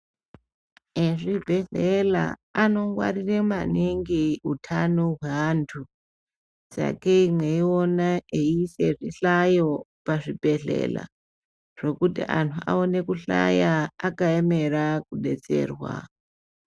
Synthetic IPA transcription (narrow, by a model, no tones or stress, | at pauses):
eʐibʱe̞ɮela̰ano̞ŋɡwa̰riremaniŋɡeutʰanoɦweantʰu | sa̰keimweionaeiseʐiɬajo̞ | paʐibʱe̞ɮe̞̰la̰ | ʐ̥ekutḭʔantʰua̰one̞kuɬa̰jaakaemerakuɗḛt͡se̞̰ːrwa̰